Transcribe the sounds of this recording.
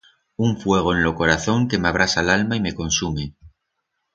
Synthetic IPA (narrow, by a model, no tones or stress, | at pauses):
uɱfwe̞ɣ̞o̞enlo̞ko̞ɾaθo̞ŋke̞maβ̞ɾasalalmaime̞ko̞nsume̞